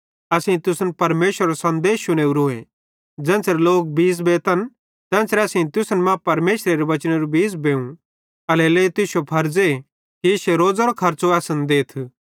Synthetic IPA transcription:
ɐsĩĩt̪ʊsnpɐɾmeːʃəɾɐɾosɐ̃nd̪eːʃʊɽ̃eːuɾʊẽ | d͡zɛ̃ːsɾloːk̚biːs̬beːt̪ɐn | t̪ɛ̃ːsɾɛɐsĩt̪ʊsnmãpɐɾmeːʃɾeɾeʋɐt͡ʃɽ̃eɾubiːsbẽːũ | ɐlɛleːt̪ʊsopʰɐɾd͡ze | kiɪʃeɾoːd͡zɐɾokʰɐɾt͡soɐːsənd̪eːt̪ʰ

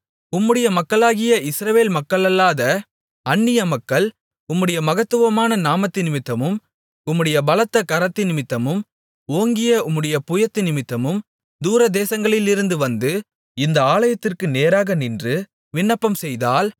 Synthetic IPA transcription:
ʊmːɯɽɐjɐmɐkːɐɭaːɣɪjɐɪsɾɐʋeːlmɐkːɐɭɐlːaːðɐ | ɐɳːɪjɐmɐkːɐɭ | ʊmːɯɽɐjɐmɐɣɐt̪ːɯʋɐmaːnɐnaːmɐt̪ːɪnɪmɪt̪ːɐmɯm | ʊmːɯɽɐjɐbɐlɐt̪ːɐkɐɾɐt̪ːɪnɪmɪt̪ːɐmɯm | oːŋɡɪjɐʊmːɯɽɐjɐpʊjɐt̪ːɯnɪmɪt̪ːɐmɯm | d̪uːɾɐd̪eːsɐŋɡɐɭɪlɪɾɯnd̪ɯʋɐnd̪ɯ | ɪnd̪ɐaːlɐjɐt̪ːɪrkɯneːɾaːɣɐnɪndrɯ | ʋɪɳːɐpːɐmsɛjðaːl

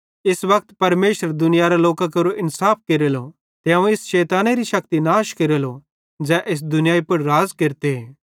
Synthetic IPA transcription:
ɪsʋɐk̚t̪pɐɾmeːʃəɾd̪ʊnɪjaɾaloːkakɐɾoʔɪnsaːp̚ʰkeɾelo | t̪eɦɐũɪsʃɛːt̪aːneɾiʃɐkt̪inaːʃkeɾelo | d͡ʒɛːʔɪs̬d̪ʊnɪjaːipʊɽɾaːzkeɾt̪eɦeː

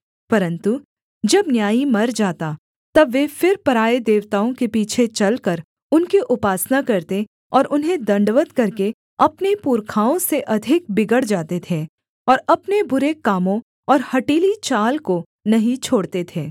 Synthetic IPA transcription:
pɐɾə̃nt̪u | d͡ʒɐbnjaːimɐɾd͡ʒaːt̪a | t̪ɐbʋeːfɪɾpɐɾaːed̪eːʋt̪aːõkepiːt͡ʃʰet͡ʃɐlkɐɾ | ʊnkiʔʊpaːsnakɐɾt̪e | ɔːɾʔʊnɦẽd̪ɐ̃ɳɖʋət̪kɐɾke | ɐpnepuːɾkʰaːõseʔɐd̪ʱɪk̚bɪɡəɽd͡ʒaːt̪et̪ʰe | ɔːɾɐpnebʊɾekaːmõ | ɔːɾhɐʈiːlit͡ʃaːlko | nɐɦĩt͡ʃʰoːɽt̪et̪ʰeː

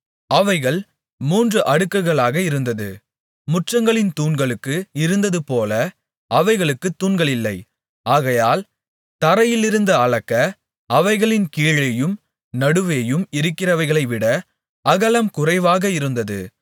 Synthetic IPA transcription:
ɐʋɐɪɣɐɭ | muːndrɯʔɐɽɯkːɐɣɐɭaːɣɐɪɾɯnd̪ɐðɯ̰ | mʊʈrɐŋɡɐɭɪnt̪uːnɡɐɭɯkːɯɪɾɯnd̪ɐðɯpoːlɐ | ʔɐʋɐɪɣɐɭɯkːɯt̪ːuːnɡɐɭɪlːɐɪ | aːɣɐjaːl | t̪ɐɾɐjɪlɪɾɯnd̪ɐːɻɐkːɐ | ɐʋɐɪɣɐɭɪnkiːɻɐjɯm | nɐɽɯʋeːjɯmɪɾɯkːɪrɐʋɐɪɣɐɭɐɪʋɪɽɐ | ɐɣɐlɐmkʊrɐɪʋaːɣɐɪɾɯnd̪ɐðɯ̰

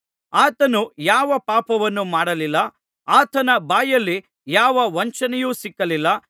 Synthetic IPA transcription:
aːt̪ɐnujaːʋɐpaːpɐʋɐnːumaːɽɐlilːɐ | aːt̪ɐnɐbaːjɐlːi | jaːʋɐʋɐɲt͡ʃɐnɛjuːsikːɐlilːɐ

